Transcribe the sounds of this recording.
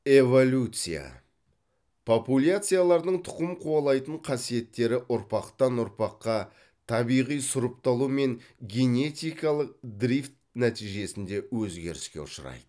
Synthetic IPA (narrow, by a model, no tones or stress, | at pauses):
e̞vo̞lʲut̪sɨja̰ | pʰopulʲat̪sɨjalˠɑɾd̪əɴt̪ʰʊ̥qəmqʰuɑlˠɑjt̪əɴqʰɑsije̞t̪ːe̞ɾɪʔʊɾpɑqt̪ɑnʊɾpɑqːɑ | t̪ʰɑbijʁijsʊɾəpt̪ɑlˠume̞ŋɡʲe̞ne̞t̪ʲijkɑlˠəq̚d̪ɾift̪̚næt̪ijʒe̞sɪnd̪e̞wɵzɡʲe̞ɾɪskʲe̞ʊʃəɾɑ̰jd̪̥ə